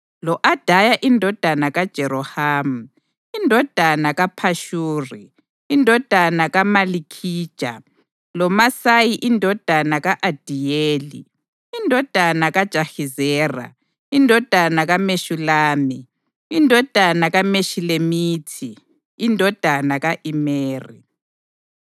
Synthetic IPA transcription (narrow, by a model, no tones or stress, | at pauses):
lɔʔad̥ʱajaʔindʱɔd̥ʱanaɣad̥ʒ̥ʱɛɾɔhaːmu | indʱɔd̥ʱanaɣapʰaʃuːri | indʱɔd̥ʱanaɣamalikʰiːd̥ʒ̥ʱʼa̰ | lɔmasajiʔindʱɔd̥ʱanaɣaʔad̥ʱijeːlḭ | indʱɔd̥ʱanaɣad̥ʒ̥ʱaxizɛːra̰ | indʱɔd̥ʱanaɣameʃulaːmi | indʱɔd̥ʱanaɣameʃilemiːtʰiː | ndʱɔd̥ʱanaɣaʔimeːrḭ